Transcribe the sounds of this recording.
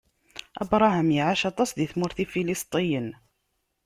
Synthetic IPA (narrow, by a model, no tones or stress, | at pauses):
ʔæ̰bɾˤɑɦamjiʕaʃɑt̪ˤɑsðiθmʊɾθifilist̪ˤijən